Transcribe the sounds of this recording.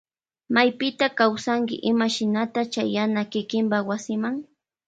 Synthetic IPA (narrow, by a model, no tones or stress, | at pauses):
majpɪt̪akawsaŋkɪ̰ʔɪmaʃɪnat̪at͡ʃajanakɪkɪmpawasɪmaŋ